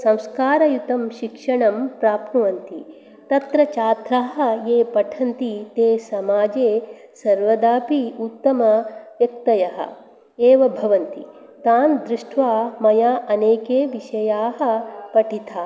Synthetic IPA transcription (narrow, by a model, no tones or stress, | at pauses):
sɐ̃w̃skaːɾɐjut̪ɐmʃikʂɐɳɐmpɾaːpnɐʋɐnt̪i | t̪ɐt̪ɾɐt͡ʃaːt̪ɾaːɦɐ̆eːpɐʈʰɐnt̪it̪eːsɐmaːd͡ʒeː | sɐɾʋɐd̪aːpiut̪ːɐmɐʋjɐk̚t̪ɐjɐɦɐ̰ | eːʋɐbʱɐʋɐnt̪i | t̪aːnd̪ɾɪʂʈʰʋaːmɐjaːʔɐneːkeːʋiʃɐjaːɦɐ̆pɐʈʰit̪ʰaː